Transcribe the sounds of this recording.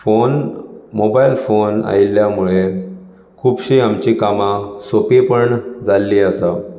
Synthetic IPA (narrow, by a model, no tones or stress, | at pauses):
fonmobailfona̰ilːjamuɭe | kʰuːbɕiamt͡ɕikamãsopepəɳd͡zalːiəsa